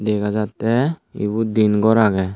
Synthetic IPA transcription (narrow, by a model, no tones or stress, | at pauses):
d̪ɛkʰad͡ʒat̪ːɛḭbud̪inɡɔɾaɡɛ